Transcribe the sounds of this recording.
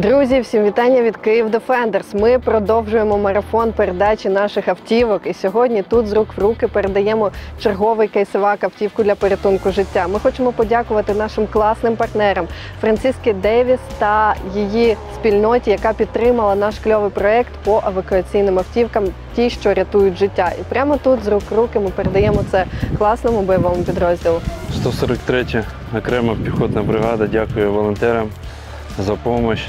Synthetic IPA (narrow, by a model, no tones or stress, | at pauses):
d̪ɾuzʲiwsʲimʋʲit̪ɑnʲːɐʋʲid̪kɪjiwd̪efɛnd̪ersmɪpɾɔd̪ɔwʒʊjemɔmɐɾɐfɔnpeɾed̪ɑt͡ʃʲin̪ɑʃɪxɐwtʲiʋɔkisʲɔɦɔdʲnʲit̪ut̪zɾukʋrukɪpeɾed̪ɐjɛmɔt͡ʃerɦɔʋɪjkɐjsɪʋɑkɐwtʲiwkʊd̪lʲɐpɔɾʲɪt̪unkʊʒɪtʲːamɪxɔt͡ʃemɔpɔdʲakʊʋɐt̪ɪn̪ɑʃɪmklˠɑsnɪmpɐrt̪nɛɾɐm | fɾɐnt̪sʲiskɪd̪ɛʋʲist̪ɐjijispʲilʲnɔtʲijɐkɑpʲid̪̚t̪ːɾɪmɐlˠɐnɑʃklʲɔʋɪjpɾɔɛkt̪pɔʔɐʋɐkʊɐt͡sʲijnɪmɐftʲiwkɐmtʲiʃt͡ʃɔɾʲɐt̪ujʊt̚ʲʒɪtʲːaʔipɾʲamɔt̪ut̪zrukrukɪmɪpeɾed̪ɐjɛmɔt̪sɛklˠɑsnɔmʊbɔjɐʋɔmʊpʲid̪ɾɔzʲdʲilˠʊst̪ɔsɔɾɐkt̪ɾɛtʲɐ | ɔkɾɛmɐpʲixɔd̪nɐbɾɪɦɑd̪ɐdʲakʊjɛʋɔlˠɔnt̪ɛɾɐm | zɐpɔmɔt͡ʃʲ